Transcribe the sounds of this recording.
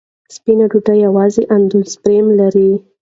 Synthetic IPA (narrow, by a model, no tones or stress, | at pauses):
spinaɖuʈajawɑzeʔand̪ulspɾemlaɾi